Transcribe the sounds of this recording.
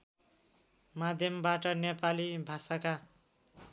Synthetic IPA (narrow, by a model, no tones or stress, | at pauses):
mad̪ʱjʌmbaʈʌnepalibʱasaka